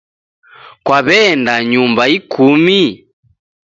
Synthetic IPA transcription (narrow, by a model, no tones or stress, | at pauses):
kwaβɛndaɲumbaikumi